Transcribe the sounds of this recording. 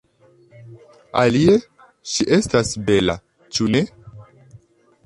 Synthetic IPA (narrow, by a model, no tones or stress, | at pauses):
a̰lie̞ | ʃiʔe̞stasbe̞la̰ | t͡ʃune̞